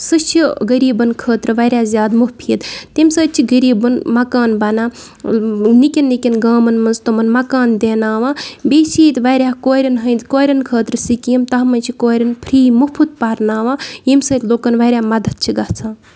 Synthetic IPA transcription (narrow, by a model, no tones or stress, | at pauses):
sɨt͡ʃʰiɡəɾiːbɐnkʰəːt̪ɾɨʋɐɾʲjaːzʲjaːd̪muhpʰiːt̪t̪emsəːt̪̚t͡ʃʰiɡɐɾiːbɐnmɐkaːnbɐnaː | nikʲinːikʲinɡaːmɐnmɐnzt̪omɐnmɐkaːnd̪eːnaːʋaːbeːt͡ʃʰiːt̪ʋɐɾʲaːkoːɾɐnɦɐjnd̪koːɾʲɐnkʰəːt̪ɾɨsikiimt̪ɐɦmɐnʲt͡ʃʰikoːɾɐnpʰɾiːmupʰut̪̚paɾnaːʋaːjimsəːt̪ʲloːkɐnʋɐɾʲjaːmɐd̪ʱɐt̪̚t͡ʃʰiɡɐht͡sʰaː